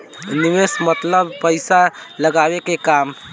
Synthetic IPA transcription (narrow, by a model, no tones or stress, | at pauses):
nimesmət̪ləbpəɪsaləɡabekekam